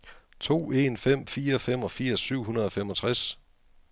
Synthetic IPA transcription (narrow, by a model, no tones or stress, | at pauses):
t͡sʰo̝̰ːe̝nfem̰fiːɐfem̰ɒ̽fiɐ̰sːyʊ̰ɦunɐð̞ˠɒ̽fem̰ɒ̽t͡sʰʁas